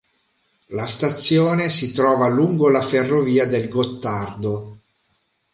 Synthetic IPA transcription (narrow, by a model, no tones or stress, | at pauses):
last̪at̪sːjoːnesit̪ɾɔːvaluŋɡolaferːoviːad̪elɡot̪ːard̪o